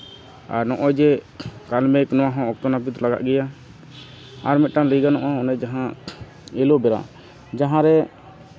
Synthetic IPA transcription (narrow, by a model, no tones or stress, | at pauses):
a̰ɾnɔʔɔjd͡ʒɛkalmɛknɔwaɦɔ̃ɔk̚t̪ɔnap̬it̪laɡa̰ʔɡɛja | aɾmɛt̪̚ʈaliɡanɔʔaɔnɛd͡ʒaɦã | ɛlobɛɾa̰ | d͡ʒaɦãɾɛ